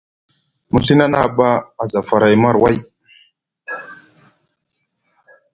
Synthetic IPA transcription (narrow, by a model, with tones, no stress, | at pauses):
mu˨ɬi˦na˦na̰˦˨ba˦a˨za˨fa˨ɾa˨jma˦ɾwa˦˨j